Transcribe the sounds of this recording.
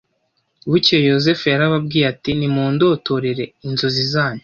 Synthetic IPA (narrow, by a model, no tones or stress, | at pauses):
βucjojo̞zefejaɾaβabɡiːɾatinimuːndo̞ːto̞ɾeɾe̞inzozizaːɲo